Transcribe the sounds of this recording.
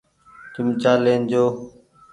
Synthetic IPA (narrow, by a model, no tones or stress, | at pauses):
t͡ʃʊmt͡ʃaːleːnd͡ʒoː